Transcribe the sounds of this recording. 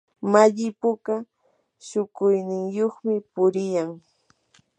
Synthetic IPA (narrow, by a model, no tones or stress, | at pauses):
maʎɪpʊka | ʃʊkʊjnɪŋjoχmɪpʊɾɪjaŋ